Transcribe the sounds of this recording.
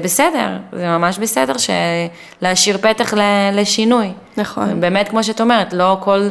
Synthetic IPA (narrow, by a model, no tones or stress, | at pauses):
besede̞̰ʁzemamaʃbesede̞ʁʃḛ | leaʃiʁpetaχleleʃinuj | naχobe̞ːmetkmo̞ʃ̬eataomeʁetlo̞ko̞l